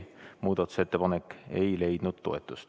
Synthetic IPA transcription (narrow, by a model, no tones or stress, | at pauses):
muːd̪̥ɑt̪ːˑu̥set̪ːe̞pɑnekːe̞jle̞jd̪̥nud̪̥t̪o̞̰e̞t̪ːˑust̪